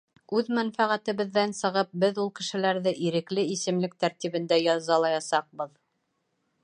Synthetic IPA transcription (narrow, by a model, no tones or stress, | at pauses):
ʉðmænfæʁæt̪ɘ̆βɘ̆ðːænsɤ̆ʁɤp̚bɘðulˠkɘ̆ʃɘ̆læɾðɘʔiɾɘ̆klɘisɘ̆mlɘk̚t̪æɾt̪iβɘ̆nd̪æjɑzɑlˠɑjɑsɑq̚bɤð